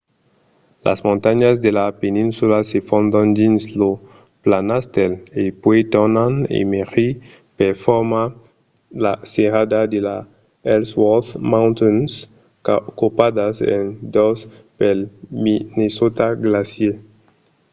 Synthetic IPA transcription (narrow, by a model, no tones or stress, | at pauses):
lʔa̰smõnt̪aɲazd̪elapenĩnsulasefõnd̪ãnd̪inslo | planast̪elepwet̪onanḛmeʁi | peɾfoɾma | laseɾad̪ad̪ela | elswɔθmãwnt̪ɔns | kopad̪asḛnd̪os | pelminesot̪aɡlasje